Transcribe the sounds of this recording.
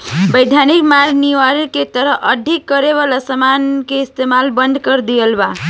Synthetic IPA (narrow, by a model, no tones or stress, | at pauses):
bəɪd̪ʱjanikmaɾniʋaɾket̪əɾəɦʔəɖʱikːəɾeβalasəmankeist̪emalbənd̪ʱkəɾd̪ijəlba